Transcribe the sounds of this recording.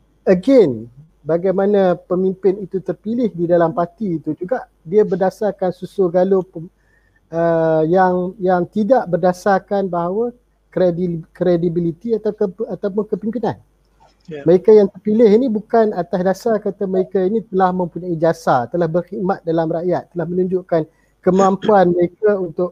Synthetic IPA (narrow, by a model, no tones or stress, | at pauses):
əɡen | baɡajmanãpəmĩmpɪnit̪ut̪ərpilɪhdidalampat̪iːt̪ud͡ʒuɡaʔ | diabərdasarkansusuɡalo | əjaŋjaŋt̪idaʔbərdasarkanbaɦawa | kɾedikɾedibilit̪iat̪aat̪awpʊnkəpimpinan | məɾekajaŋt̪ərpilɪhinibukanat̪asdasarkat̪aməɾekainĩt̪əlahmə̃mpuɲaid͡ʒasat̪əlahbərxiʔmat̪̚dalamraʔjat̪̚ːəlahmənũɲd͡ʒʊʔkan | kəmãmpuanməɾekaunt̪ʊʔ̚